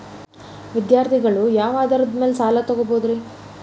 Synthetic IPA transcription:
ʋid̪jaːɾt̪ʰiɡɐɭujaːʋaːd̪ɐɾɐd̪me̞ːlsaːlat̪ɐɡoboːd̪ɾi

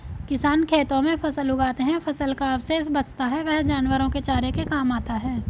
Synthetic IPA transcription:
kɪsaːnkʰeːt̪õmẽpʰɐsəlʊɡaːt̪eɦɛ̃fʰɐsəlkaɐbseɪs̬bɐt͡ʃt̪aɦɛʋɛɦd͡ʒaːnwəɾõket͡ʃaːɾekekaːmaːt̪aɦɛː

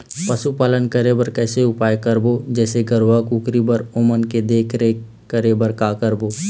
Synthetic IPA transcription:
pɐsupaːlənkəɾebəɾkɛːseʊpaːjkəɾbod͡ʒɛːseɡəɾʋakuːkɾibəɾomənked̪eːkʰɾeː | kəɾebəɾkaːkəɾboː

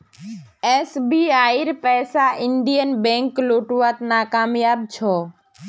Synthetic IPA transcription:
esbiːaːiɾpɛːsaʔɪɳɖijənbɛ̃ŋkloːʈuʋat̪naːkaːmjaːb̚t͡ʃʰoː

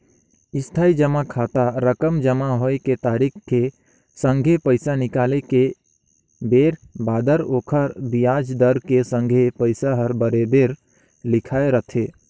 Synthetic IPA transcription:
ɪst̪ʰaːid͡ʒəmakʰaːt̪aɾəkəmd͡ʒəmaɦoeket̪aːɾikʰke | sə̃ŋɡʱepəɪsanɪkaːleke | beːɾbaːd̪əɾoːkʰəɾbijaːd͡ʒd̪əɾkesə̃ŋɡʱepəɪsaɦəɾbəɾebeːɾ | lɪkʰaːeɾət̪ʰe

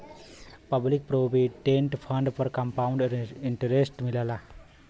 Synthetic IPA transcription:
pəblɪk̚pɾoːbiʈẽːɳʈpʰɐ̃ɳɖpəɾkɐ̃mpaːʊ̃ɳɖɪɳʈəɾesʈmɪlaːlaː

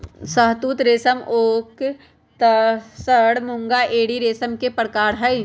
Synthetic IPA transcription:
səɦt̪uːt̪ɾeːsəmoːk | t̪səɽmʊ̃ŋɡaʔeːɽiɾeːsəmkepɾkaːɾɦəi

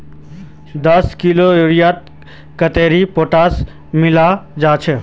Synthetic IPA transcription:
d̪əskɪloeɾijaːt̪̚ | kət̪eːɾipoːʈaːs | mɪlad͡ʒaːt͡ʃʰɛ

